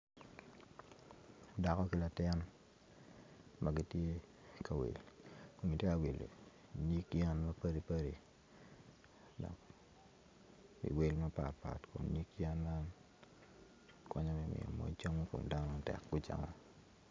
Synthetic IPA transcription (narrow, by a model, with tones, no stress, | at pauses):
da˨kɔ˦ki˦la˨tɪ˦n | mʔa˦ɡi˦tje˦ | ka˨wḛ˨lko˨mɡi˨tje˦ka˨wi˨lḛ˨ | ni˦kjɛ˦nmɐ˦pɐ˦ɾi˦pə˦ɾi˨ | dɔ̰˨k | ḭ˨we˦lma˦pa˨tpa̰˨tko̰˨nni˦kjɛ˦nma˦n | kwɔ˦ɲɔ˦mi˨mɪ̰˨ɔ̰˨mɔ̰˨t͡ʃo˦ŋa˦ko̰˨mda˦nɔ˨a˨tɛ̰˨kɡu˦t͡ʃa̰˨ma˦